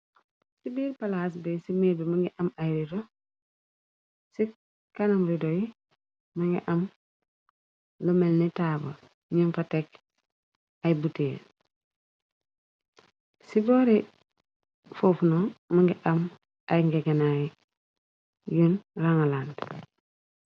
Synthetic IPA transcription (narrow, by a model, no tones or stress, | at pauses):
sibiːɾpalaːs̬bɛsimebimaŋɡiʔɐmajɾido | si | kanamɾidoji | maŋɡḭʔɐm | lomelnitaːbɐ̰ | ɲunfatek | ajbuten | sibɔːɾi | foːfnomaŋɡiʔɐm | ajŋɡeɡɐnaːji | junraŋalaːnd